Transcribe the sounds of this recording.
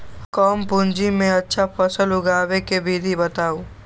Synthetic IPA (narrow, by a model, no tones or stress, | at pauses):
kɔːmpʊ̃nd͡ʒimẽɐtːʃʰapʰɐsəlʊɡaːʋekebʱid̪ʱibɐt̪aːoː